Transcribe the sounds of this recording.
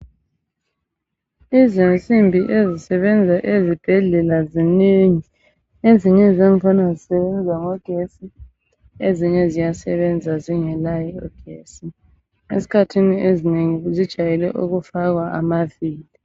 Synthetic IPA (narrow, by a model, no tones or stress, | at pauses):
izint͡sʼimbʱiʔezisɛβɛnd͡zʱaʔezib̥ʱɛɮɛlaziniŋi | eziɲɛzeŋifanazisɛβɛnd͡zʱaŋɔɡ̥ʱesi | eziɲɛzijasɛβɛnd͡zʱaziŋɛlajɛɔɡ̥ʱeːsi | ḛsi̥kʰatʰiniezineŋizid̥ʒ̥ʱajɛlɛ̰ʔuɣufaɣwaʔa̰maviːli